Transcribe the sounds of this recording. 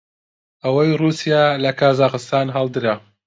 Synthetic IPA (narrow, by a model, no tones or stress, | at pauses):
ʔɐwɐjruːsijaːlɐkʰaːzaːqɨst̪aːnɦɑːlˠd̪ɨɾa